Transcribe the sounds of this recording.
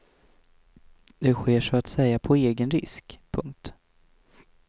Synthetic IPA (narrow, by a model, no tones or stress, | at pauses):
d̪ɛɧeːʂɔat̪sɛjːapʰɔeːɡənɾɪ̰skpʰɵŋk̚t̪